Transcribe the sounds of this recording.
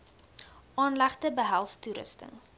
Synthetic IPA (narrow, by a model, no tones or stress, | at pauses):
ʔɑːnlæχtəbəɦælˠstuɾə̰stə̰ŋ